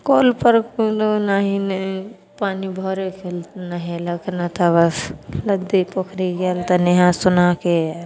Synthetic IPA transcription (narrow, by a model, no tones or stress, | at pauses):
koːlpəɾkud̪onaɦine | paːnibʱɔːɾekʰelnaɦelɐɡʰnat̪ʰabɐslɐd̪ipokʰɾiɡelt̪aneɦãsʊnaːke